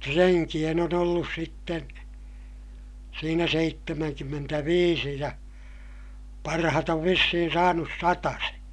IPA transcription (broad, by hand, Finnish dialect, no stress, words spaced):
treŋkij̆en on olːus sitːen̞ siːnæ seitːemæŋkymːentæʋiːsi jɑ pɑrɑhɑt oʋ ʋisːihin sɑːnus sɑtɑseː